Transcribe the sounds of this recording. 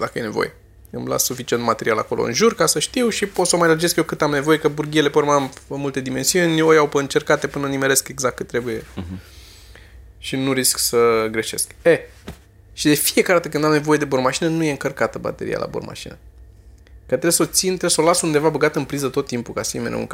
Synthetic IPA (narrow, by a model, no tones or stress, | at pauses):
d̪akəje̞ne̞vo̞̰je̞̰ | ɨmla̰ssufit͡ʃie̞nt̪mat̪e̞ɾiala̰ko̞lʔo̰ɨ̰nʒurkasəʃt̪iwʃipot̪səomajlərd͡ʒeskjewkɨt̪amne̞vo̞je̞kəburɡʲiele̞pəɾmaməmult̪e̞d̪ime̞nsiunʲojawpəɨnt͡ʃe̞rkat̪e̞pɨnənimele̞skeɡzak̚tkːɨt̪ːɾe̞buje̞ | ʃinuɾisksəɡɾe̞ʃe̞ske | ʃid̪e̞fije̞kaɾed̪at̪əkɨnd̪amne̞voje̞d̪ebormaʃinənuje̞ɨŋkərkat̪əba̰t̪e̞ɾḭa̰lʔa̰bo̰rma̰ʃḭnə | kət̪ɾebso̞t̪sint̪ɾesolasund̪e̞vabəɡat̪əɨnpɾizət̪o̞t̪ːimpukasiemenḛṵŋk